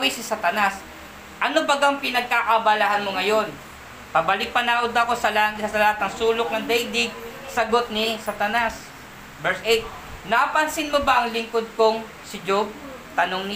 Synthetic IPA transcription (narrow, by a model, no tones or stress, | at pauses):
wisɪsat̪ɐnas | ʔɐnobɐɡɐŋpɪnɐɡ̚kaʔɐbalahanmoŋɐjo̞n | pɐbɐlɪk̚pɐnaːwod̪ɐko̞sɐlsɐlɐhat̪nɐŋsuːlok̚nɐŋd̪ɛjd̪ɪɡ̚sɐɡo̞t̪̚nisat̪ɐnas | bɛɹsʔejt̪̚ | napɐnsɪnmobaʔɐŋlɪŋkod̪̚koŋ | sɪd͡ʒob̚ | t̪ɐnoŋnɪ